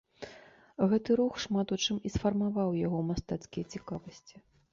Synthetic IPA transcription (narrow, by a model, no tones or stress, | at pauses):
ɣɛt̪ɨɾuxʂmat̪ut͡ʂɨmisfɐrmavawjaɣɔmast̪at̪skʲijɐt͡sʲikavɐsʲt͡sʲi̥